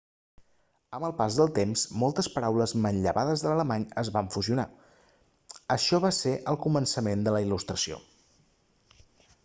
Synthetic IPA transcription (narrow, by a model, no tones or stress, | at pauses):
əməlˠpazðəlˠt̪emsmɔlˠt̪əspəɾawləzmənʎəβaðəzðələləmaɲəzβaɱfuziuna | əʃɔβaseʔəlˠkumənsəmend̪ələilust̪ɾəsio̰